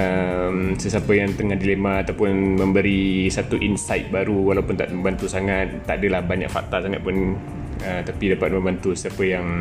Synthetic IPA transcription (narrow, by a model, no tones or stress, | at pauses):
əmsəsapəjaŋt̪əŋahdilemaːt̪awpʊnməmbəɾisat̪uʔinsajt̪̚baɾuwalawpʊnt̪a̰ʔ̪məmbant̪usaŋat̪̚ːaʔadəlahbaɲa̰k̚fa̰k̚t̪asaŋat̪̚pʊn | ət̪apidapat̪̚mə̃mbant̪usəapəjaŋ